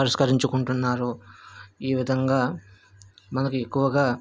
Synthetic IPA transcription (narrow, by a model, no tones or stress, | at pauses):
ɐɾɐskɐɾiɲt͡ʃukuɳʈunːaːɾu | iːʋid̪ʱɐŋɡaː | mɐnɐkue̞kːuʋɐɡaː